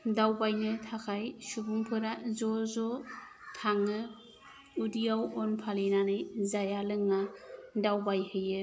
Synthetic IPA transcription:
dawbajnɯtʰakʰajsubuŋpʰɯɾazɔzɔ | tʰaŋɯ | udijawɔnpʰalinanɯjzajalɯŋːadawbajhɯjɯ

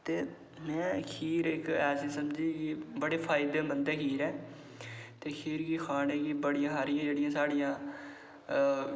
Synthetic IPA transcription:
t̪eː | mɛ̃ːəkʰiːɾɪkɛːsisəmd͡ʒiːkɪbəɽeːpʰaːɪd̪eːbənd̪eːkʰiːɾɛː | t̪eːkʰiːɾɡixʰaːneːkibəɽijãːɦaːɾɪjãːd͡ʒeːɽɪjãːsaːɽɪjãː

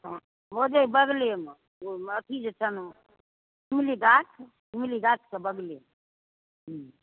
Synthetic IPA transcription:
mod͡ʒeibəɡlem | oət̪ʰid͡ʒet͡ʃʰən | imiliɡat͡ʃʰ | imiliɡat͡ʃʰkebəɡli

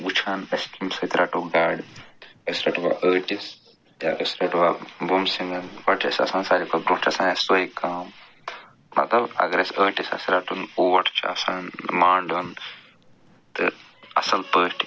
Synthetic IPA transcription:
ɡut͡ʃʰaːnɐskimsɐːt̪ɾʔaʈuːɡaːɖɐsɾaʈʰʋa̰ːʔəːʈis | ja̰ːʔəsɾɐːʈʰʋaːbumsiŋɐnʋɐʈʰɐ̰sɐ̰sãːnsaːd͡ʒikʰobɾũːt͡ʃʰɐsaːnɐssoːikaːm | mɐ̰t̪lɐbɐ̰ɡɐɾɐsəːʈisɐ̰sɾaːʈʰunuːʋɐʈʰt͡ʃʰɐsaːnmaːɳɖun | t̪ɨ̰ | ɐ̰sɐlpəːʃʈʰ

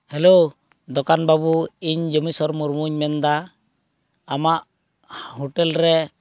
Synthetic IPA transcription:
hɛlo | d̪ɔkanbabuiɲd͡ʒɔmisɔɾmuɾmuɲmɛnd̪a | amaʔ | hɔʈɛlɾɛ

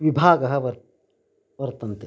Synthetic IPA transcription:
ʋibʱaːɡɐɦɐʋɐ | ʋɐɾt̪ɐnt̪e

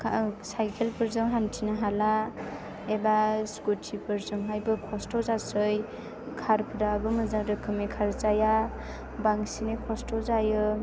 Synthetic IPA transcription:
kʰsajkʰelpɯɾzɯŋɦantʰinaɦala | ebaskutʰipɯɾzɯŋɦajbɯkʰɔstɔzasɯj | kʰaɾpʰɯdabɯmɯzaŋɾɯkʰɯmekʰaɾt͡ʃaja | baŋsinɯkʰɔstɔzajɯ

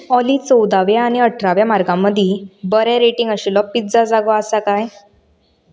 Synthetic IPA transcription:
ɔliːt͡sɔwd̪aʋjaːɽ̃iəʈʰɾaʋjamaɾɡãmːəd̪ʱiːbəɾɛɾeʈiŋɡəɕilɔpːit̪d͡zad͡zaɡɔasakaj

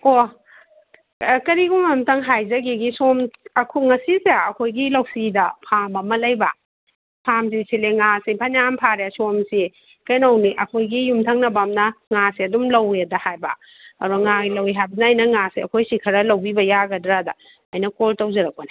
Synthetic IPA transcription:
o | kɐɾiɡumamtɐŋɦajzɐɡiɡisomɐkʰuŋɐsisaɐkʰojɡilɐwsidɐpʰambɐmɐlɐjbɐ | pʰams̬isileŋasipʰɐnjampʰaɾjasomsi | kɐjnowniʔɐkʰojɡijumtʰaŋnɐbamnɐŋasiɐdumlɐwedɐhajbɐ̰ | ɐɾuŋaɡilɐwiɦajbɐnɐːjnɐŋasiɐkʰojsikʰɐɾɐlɐwbibɐjaɡɐdɾadɐ | ɐjnɐkoltawzɐɾɐk̚pana

